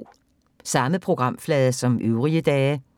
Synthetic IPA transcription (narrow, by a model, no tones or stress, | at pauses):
sɑ̈məpʰʁo̝ɡ̥ʁɑ̈m̰flɛːðˠɐsɒ̽mʔøʊʁiəd̥ɛː